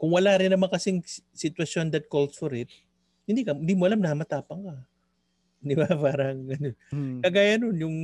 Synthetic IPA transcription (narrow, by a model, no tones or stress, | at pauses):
kʊŋwɐlaːɾɪnːɐmaŋkɐsɪŋ | sɪt̪wɐsond̪ɐt̪̚kolsfoɾɪt̪̚ | hɪnd̪ikɐhɪnd̪iːmoʔɐlamnɐmɐt̪aːpɐŋkɐ | d̪ɪbapaːɾɐŋɐnokɐɡaːjɐnonjʊŋ